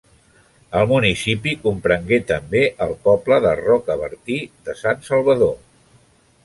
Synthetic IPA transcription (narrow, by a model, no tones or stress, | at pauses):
əlˠmunisipikumpɾəŋɡet̪əmbeʔəlˠpɔpləðərɔkəβə̰ɾt̪iðəsansəlˠβəðo